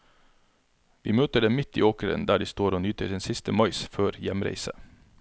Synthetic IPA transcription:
ʋiːmøːt̪əɖɛmɪt̪ḭːoːkəɾə̰nd̪æːɖiːst̪oːɾoːnyːt̪ʰəsɪnsɪst̪əmɑɪsføːɾjɛmɾæ̰ɪsə̰

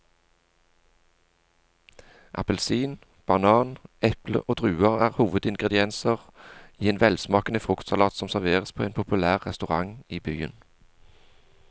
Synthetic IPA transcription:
ʔɑ̰pəlsiːn | b̥ɑnɑːnɛplə̰ʔoːd̪ʁʉːəʁæːʁhuːʋəd̪ɪŋɡʁɛd̪ɪɛnsəʁiːeːnʋɛlsmɑːkənəfʁʊkt̪sɑlɑːt̪sɔmsæʁʋeːʁəspʰoːeːnpʰʊpʉlæːʁʁɛst̪ʉʁɑŋiːbyːə̰n

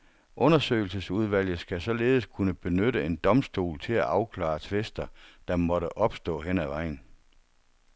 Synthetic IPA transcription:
ʔɔ̽nɐsø̰ːɪl̩səsuð̞ˠʋæl̰jð̩ˠsɡ̥æsɒ̽le̝ːð̞̩ˠəskʰunəb̥e̝nøɾəe̝nd̥ɒ̽msd̥o̝̰ːlt͡sʰe̝læʔɑ̈ʊkʰlɑ̰̈ːt͡sʰʋesd̥ɐd̥ɑ̈mɒ̽ɾəʔɒ̽b̥sd̥ɔ̰̽ːɦenæʋɑ̈ɪ̰n̩

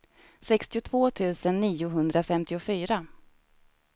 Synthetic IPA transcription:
sɛkst̪ɪʊt̪ʰvoːt̪ʰʉ̟ːsənːiːʊɦɵnd̪ɾafɛmt̪ɪʊfyːɾa

